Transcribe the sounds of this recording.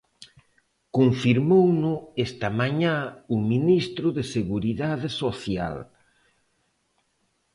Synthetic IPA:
kuɱfiɾmownʊest̪ɐmaɲãuminist̪ɾʊðeseɣuɾiðaðɪsoθja̰l

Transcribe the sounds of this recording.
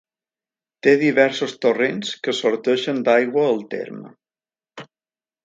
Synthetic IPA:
t̪eðiβɛɾsost̪urenskəsoɾt̪əʃənd̪ajɣwəːlˠt̪ḛɾmə̰

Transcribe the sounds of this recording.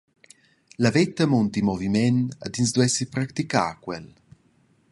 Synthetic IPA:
lavɛt̪ːamunt̪imɔvimɛna̰d̪ins̬d̪wɛsipɾakt̪ika̰ːkwɛl

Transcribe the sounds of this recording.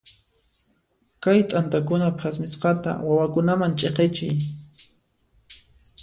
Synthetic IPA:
kajt̪ʼant̪akʊnapʰasmɪsqɑt̪a̰wawakʊnamant͡ʃʼeqet͡ʃɪj

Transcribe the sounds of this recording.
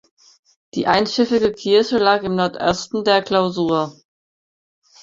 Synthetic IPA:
d̥iːʔaɪnʃɪfɪɡəkʰɪɐɕəlaːkɪmnɔɐtʔɔstn̩deːɐklaʊzuːɐ

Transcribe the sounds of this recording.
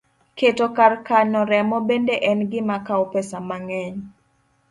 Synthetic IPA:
ketɔkarkanɔɾɛmɔbendeʔɛnɡɪmakaopɛsamaŋɛɲ

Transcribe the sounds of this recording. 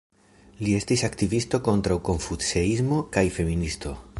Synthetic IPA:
lie̞stisaktivisto̞ko̞ntɾawko̞ɱfuseizmo̞kajfe̞ministo̞

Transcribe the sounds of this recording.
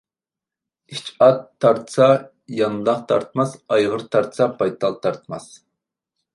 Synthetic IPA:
it͡ʃɑt̪ʰːɑɾt̪ʰə̥sɑ | jɑnd̪ɑqt̪ʰɑɾt̪mɑsɑjʁəɾt̪ʰɑɾt̪ʰə̥sɑpʰɑjt̪ʰɑlˠt̪ʰɑɾt̪ʰmɑs

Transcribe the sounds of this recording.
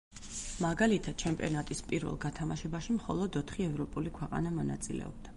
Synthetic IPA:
maɡalit̪ʰad̪̥̚t͡ʃʰɛmpʼiɔnat̪ʼispʼiɾvɛ̰lˠɡat̪ʰamaʃɛbaʃimχɔlˠɔd̪ɔt̪ʰχiɛvɾɔpʼulikʰwɛqʼa̰namɔna̰t̪sʼilɛ̰ɔ̰b̚d̪a

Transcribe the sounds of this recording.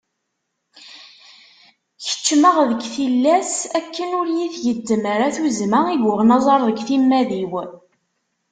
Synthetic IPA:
çə̥t͡ʃːməʁðəɡθilːæsækːənʊɾjiθʝəd̪ːəməɾaθuzmaiɡəʁnɑzˤɑɾˤðəɡʷθimːæðiw

